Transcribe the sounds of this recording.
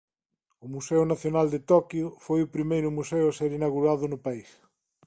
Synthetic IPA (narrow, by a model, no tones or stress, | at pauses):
ʊmusɛʊnaθjonald̪et̪ɔkjʊfojʊpɾimejɾʊmuseʊaseɾinaɣuɾaðʊnʊpais